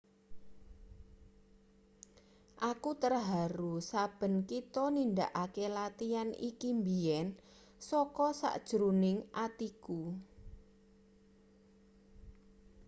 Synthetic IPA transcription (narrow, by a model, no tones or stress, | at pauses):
ʔakut̪ərɦaɾusab̥ə̤nkit̪ɔnind̪aʔakelat̪ianḭkimbiɛn | sɔkɔsa̰ʔd̥ʒ̥ɾunɪŋʔat̪iku